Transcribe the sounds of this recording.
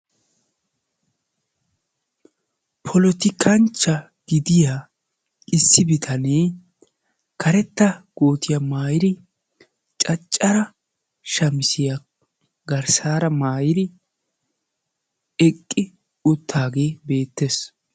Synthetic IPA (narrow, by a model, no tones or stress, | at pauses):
pʰɔlɔt̪ɪkʰɐnt͡ʃːɐ | ɡ̥ɪd̪ɪja | ɪsːɪbɪt̪ʰɐneː | kʰɐɾɛt̪ːɐɡ̥oːt̪ɪjamaːjɪɾɪ | t͡ʃʼɐt͡ʃʼːɐɾɐ | ʃɐmɪsɪja | ɡɐɾsaːɾɐmaːjɪd̪ɪ | ɛkʼːɪ | ʊt̪ʰːaːɡe̞ːbe̞ːt̪ːes